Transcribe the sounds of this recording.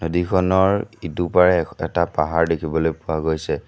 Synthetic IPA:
nodikʰɔnɔɹitupaɹɛɛtapaɦaɹdekʰibɔlojpʊwaɡojsɛ

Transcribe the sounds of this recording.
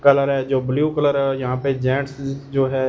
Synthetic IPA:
kɐləɾɦɛːd͡ʒoːbɪlijukələɾɦɛɔɾjɐɦãːped͡ʒɛ̃ːʈsd͡ʒoːɦɛː

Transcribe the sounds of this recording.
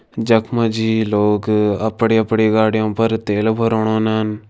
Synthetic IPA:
d͡ʒɐkʰmɐd͡ʒiːloːɡɐpɽiːɐpɽiːɡaːɽijõːpɐɾt̪eːlbʱɐɾoːɽ̃õːnɐn

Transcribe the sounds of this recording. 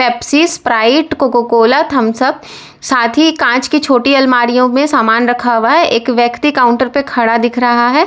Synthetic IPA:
ʈɛːpsiːspɾaːɪʈkokokoːlət̪ɦɐmsɐb̚ | saːt̪ʰikãːt͡ʃkit͡ʃʰoːʈiɐlmaːɾijõmẽsaːmaːnɾɐkʰaɦuʋaɦɛʔeːkʋjɐkt̪ikaːʊ̃ɳʈəɾpekʰɐɽad̪ɪkʰɾɐɦaɦɛː

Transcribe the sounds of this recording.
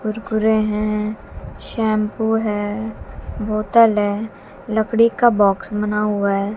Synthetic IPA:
ɡʊɾkʊɾẽɦɛ̃ | ʃɛ̃ːmpuɦɛː | boːt̪əlɦɛ̃ː | ləkɽikabɔːksmɐnaɦʊaɦɛː

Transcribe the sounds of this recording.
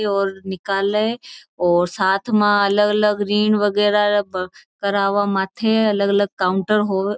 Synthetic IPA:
ɔːɾnɪkaːləɔːɾsaːt̪ʰmãɐləɡɐləɡɾiːnʋəɡɛːɾakɐɾaːʋamãːt̪ʰeɐləɡɐləɡ̚kaːʊɳʈəɾɦoː

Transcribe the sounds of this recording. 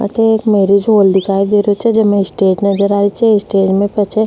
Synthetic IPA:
ɐ̰t̪eeːkmeːɾid͡ʒɦoːld̪ɪkʰaːid̪eɾot͡ʃʰɛd͡ʒɐmẽɪsʈeːd͡ʒnɐd͡ʒəɾaːɾit͡ʃʰɛɪsʈeːd͡ʒmẽpɛt͡ʃʰe

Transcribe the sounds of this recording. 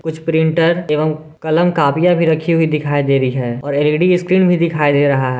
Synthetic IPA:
kʊt͡ʃʰpɾɪ̃ɳʈəɾeːʋəm | kɐləmkaːpɪjabʱiɾɐkʰiɦuid̪ɪkʰaːid̪eːɾɐiɦɛːɔːɾeːliːɖiɪskɾiːnbʱid̪ɪkʰaːid̪eːɾɐɦaɦɛː

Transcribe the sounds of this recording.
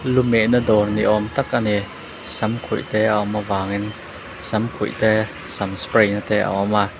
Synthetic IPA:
lumɛʔnadɔːnːiʔɔmt̪akani | sɐmkʰṵjʔt̪ɛawmavaːŋin | sɐmkʰṵjt̪ɛ | samspɾejnat̪ɛʔa̰ɔma

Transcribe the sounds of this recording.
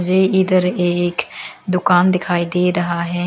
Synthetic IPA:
d͡ʒeːɪd̪əɾekd̪ʊkaːnd̪ɪkʰaːiːd̪eːɾəɦaːɦɛː

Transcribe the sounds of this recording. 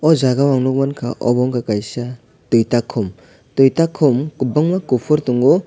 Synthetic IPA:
ɔzaɡawaŋnɔk̚mankʰaʔɔ̰bɔŋkakajsa | tujtakʰːɔm | tujtakʰːɔmkubaŋmakupʰɔɾtuŋɔ

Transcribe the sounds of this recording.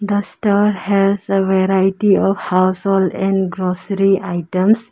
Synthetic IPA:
d̪əsʈaɾhɛzəʋeɾaɪʈiɔʋhaʊsɔlɛ̃ɳɖɡɾosəɾiʔaɪʈə̃ms

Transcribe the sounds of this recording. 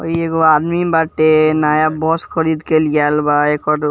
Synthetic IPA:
ə̰ieɡoad̪mibaʈenajabɔskʰəɾid̪kelɡalbaekɔʈ

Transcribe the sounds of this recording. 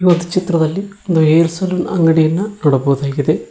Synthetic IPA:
od̪ʱit͡ʃit̪rɐðɐlːiond̪ojeɾusɐloːnɐ̰ŋɡɐɽijɐnːɐnoɽɐbod̪aːkiðe

